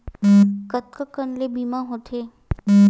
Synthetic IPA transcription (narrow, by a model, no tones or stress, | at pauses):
kət̪̚kəkənlebimãɦot̪ʰeː